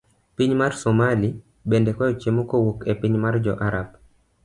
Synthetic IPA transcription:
piɲmarsɔmali | bɛndɛkɔjɔt͡ʃemokɔwokepiɲmard͡ʒɔ̰ʔaɾab̚

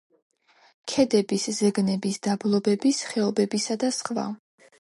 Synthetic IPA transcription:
kʰɛd̪ɛbiszɛɡnɛbisd̪̥ablˠɔbɛbisχɛɔbɛbisad̪asχva̰

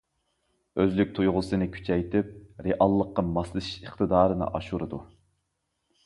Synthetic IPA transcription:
øzlykʲt̪ʰujʁʊsɨnɨkʲʰy̥t͡ʃʰɛjt̪ʰɪp̚ɾeʔɑlˠːəqːɑmɑslˠʃəχt̪ɨd̪ɑːɾɨnɨ̰ʔɑʃuɾɨd̪u

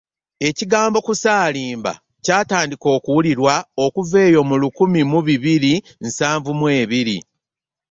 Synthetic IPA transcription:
e̞ciɡaːmbo̞kusaːliːmba̰ | caːtaːndiko̞ːkuwuliɾwao̞kuve̞ːjo̞mulukumimuβiβiɾi | nsaːɱvumwe̞ːβiɾi

